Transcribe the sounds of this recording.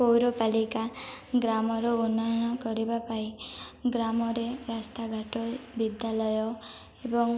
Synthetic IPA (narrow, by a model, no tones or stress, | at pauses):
owɾɔpalikaɡɾamɔɾounːɔjɔɽ̃ɔkɔɾibapaiɡɾamɔɾeɾast̪ʰaɡʱaʈobid̪ʱjalɔjɔ | ebɔŋ